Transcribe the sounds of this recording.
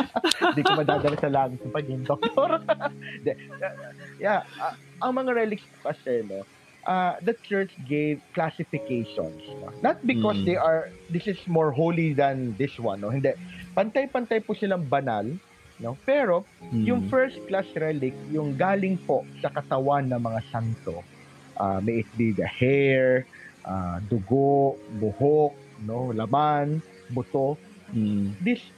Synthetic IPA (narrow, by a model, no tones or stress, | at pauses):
d̪iomɐd̪aːd̪ɐlɐsɐlaːmɪt̪ʊpɐɡʊŋd̪ok̚t̪oɾnd̪ɛ | jaʔa | ʔɐŋmɐŋaɹɛlɪkspʊ̥kɐsɛno̞ | ʔad̪ɐt͡ʃɛɹt͡ʃɡevklasɪfɪkejʃɔ̰nsno̰nɐt̪̚bɪkɔsd̪ejʔɐɹd̪ɪsɪsmoɹɦolid̪ɐnd̪ɪswã̰nːohɪnd̪ɛʔpɐnt̪ajpɐnt̪ajpʊsɪlaŋbɐnal | nopɛːɾo̞jʊŋfɛɹst̪̚klasɹɛlɪk̚jʊŋɡaːlɪŋposɐkɐt̪ɐwanːɐŋmɐŋasant̪o | ʔa̰mɛjʔɪt̪̚biɡɐhɛɹʔad̪ʊɡoʔbʊhok̚nolɐman | bʊt̪o | d̪ɪs